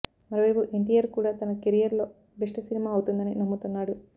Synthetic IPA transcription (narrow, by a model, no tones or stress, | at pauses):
mɐɾoːʋɐjpuʔeɳʈijɐɾkuːɽaːt̪ɐnɐkeɾijɐɾlo̞ː | biʂʈɐsinimaːɐwt̪und̪ɐninɐmːut̪unːaːɽu